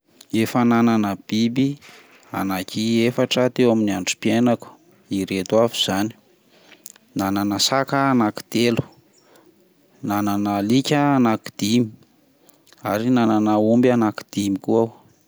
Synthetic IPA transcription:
efanananəb̥ibi | a̰nakʲiefaʈ͡ʂət̪ewaminiaɳɖ͡ʐi̥pienaku̥ | iɾet̪wavuz̥ani̥ | nananəsakəːnaki̥d̪̥elu̥ | nananəlikʲəːnaki̥d̪̥imi̥ | aɾinananəumbianaki̥d̪̥imikuaw

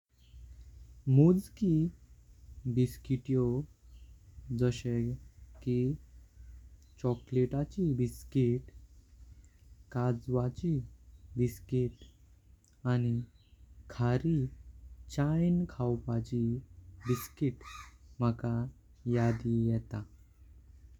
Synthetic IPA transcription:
mud͡zki | biskiʈjo | d͡zəɕeki | t͡ɕɔkleʈat͡ɕibiskiʈ | kad͡zʋat͡ɕibiskiʈ | añi | kʰaɾi | t͡ɕajnkʰawpat͡ɕibiskiʈm̤əka | jad̪ijɛt̪a

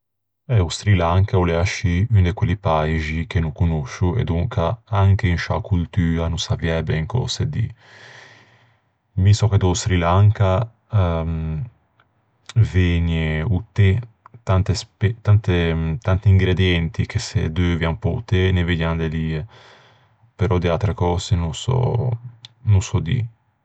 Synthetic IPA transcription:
ɛust̪ɾilaŋkauleaʃiynd̪ekwelipajʒik̟enukunuʃuḛd̪uŋkaaŋk̟einʃa̰kult̪yːanusaviɛbeiŋkɔ̰sed̪ḭ | misɔked̪ost̪ɾilaŋka | ɛm | veɲeut̪ːe | t̪ant̪espet̪ant̪et̪ant̪iːŋɡɾed̪jɛnt̪ik̟ʰesḛd̪øviampɔṵt̪ːeneved̪jand̪eli | peɾɔd̪ealt̪ɾekɔːsenusɔ̰ | nusɔd̪ḭ

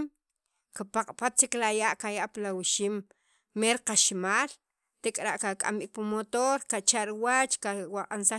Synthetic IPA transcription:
m | kapaqʼpat̪t͡ʃiklajaʔkajaʔpalawiʃimː | eɾqaʃimaːl | t̪ekʼɾaʔkakʼa̰mbik̚pumot̪oɾkat͡ʃaʔɾiwat͡ʃkawaqʼansa

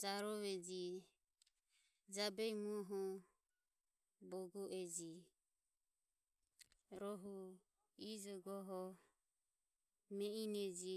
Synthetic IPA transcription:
d͡ʒaɾɔβɛd͡ʒi | d͡ʒabɛmuɦɔ | bɔɡɔʔɛd͡ʒi | ɾɔɦu | id͡ʒɔɡɔɦɔ | mɛinɛd͡ʒi

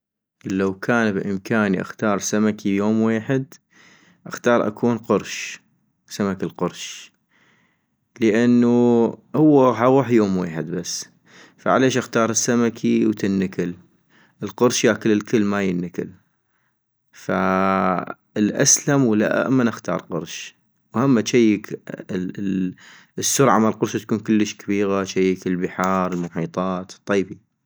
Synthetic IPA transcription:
lːawkʰaːnbʔɪmkʰaːniʔa̰xt̪ɑːɾˤsamakʰijoːmweːħɪd̪ | ʔaxt̪ɑːɾˤʔa̰kʰuːnqʊɾˤʃ | samakilqʊɾˤʃ | ləʔanːuhʊwːaħaʊħjoːmweːħɪd̪̚basː | faʕa̰leːʃʔaxt̪ɑːɾˤɪsːamakʰiwt̪ɪnːɪkɪl | ʔəlqʊɾʃjakəlːɪlkəlːmajənːɪkɪ̰l | fa | ɪlʔa̰slamwlːa̰ʔa̰ʔa̰mːanʔaxt̪ɑ̰ːɾˤqʊ̰ɾˤʃ | whamːat͡ʃajːək | əsːʊɾʕamalqʊɾʃt̪ḁkuːnkʊlːəʃkḁbiːɣaʃajːəkɪlbɪħɑːɾˤəlmʊħiːt̪ˤɑːt̪t̪ˤːɑjːbi

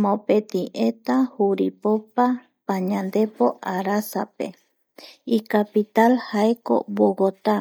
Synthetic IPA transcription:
mõpet̪ĩʔet̪ahuɾipopa | pãɲãnd̪e̞po̞ʔaɾasapḛ | ikapit̪alhaeko̰woɡot̪a

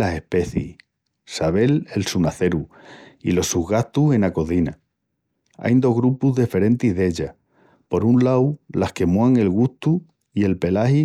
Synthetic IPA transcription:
ase̞hpe̞θḭ | saβ̞e̞le̞lsunaθe̞ɾuilo̞suhɣaht̪uhe̞nako̞θina | a̰jnd̪o̞ɦɣɾupuzðefe̞ɾẽ̞nt̪iɦðe̞ʎa | po̞ɾunlawlahke̞muaŋe̞lɣuht̪u | ie̞lpe̞lahi

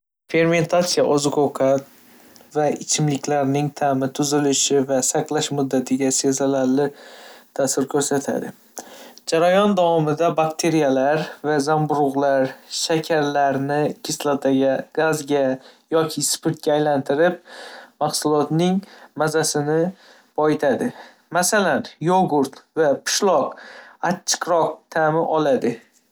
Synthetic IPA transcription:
fe̞ɾme̞nt̪ʰat̪sijaʔɒzɪqʰoqʰat̪ | vaɪt͡ʃʰɪmlɪkʲlaɾnɪŋt̪ʰamɪt̪ʰʊzɪlɪʃɪvasaqlˠaʃmʊd̪ːat̪ʰɪɡʲasezalaɾlɪt̪ʰasɪɾkʲʰɵɾsat̪ʰa̰d̪ɪ | d͡ʒaɾajɒnd̪avɒmɪd̪abakʲt̪ʰe̞ɾijalaɾvazambʊɾʊʁlˠaɾʃakʲʰaɾlaɾnɪkʲʰɪslˠat̪ʰaɡʲaɡazɡʲajɒkʲʰɪspʰɪɾt̪̚kʲaːjlant̪ʰɪɾɪp̚maχsʊlˠɒt̪nɪŋmazasɪnɪ | bɒjɪt̪ʰad̪ɪ | masalanjoɡʊɾt̪vapʰʊ̥ʃlˠɒqat͡ʃʰːɨ̥qɾɒq̚t̪ʰamɪʔɒlad̪ɪ

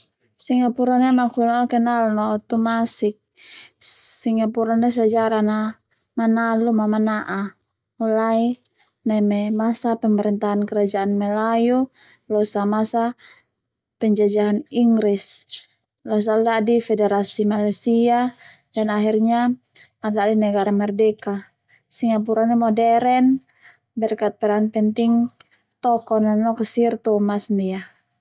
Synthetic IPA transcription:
siŋapuɾanɛmakunalkɛnalnɔt̪umasik̚ | siŋapuɾanɛs̬ad͡ʒaɾana | manalumamanaʔa | mulai | namɛmasapɛmɛɾɛnt̪aɦankɛɾad͡ʒaanmɛlaju | lɔsamasa | pɛɲd͡ʒad͡ʒaɦaniŋɡɾis | lɔs̬aldadifɛdɛɾasimalasia | danaɦirɲa | madadinɛɡaɾamɛrdɛka | siŋap̬uɾanɛmɔdɛɾɛn | bɛrkat̪̚pɛɾanpɛnt̪iŋ | t̪ɔkɔnanɔksirt̪ɔmasnia

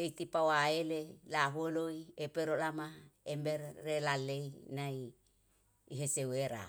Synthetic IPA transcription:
eit̪ipawaelelaɦueloiepeɾolamaemberːelaleinaiː | ɦeseweɾa̰

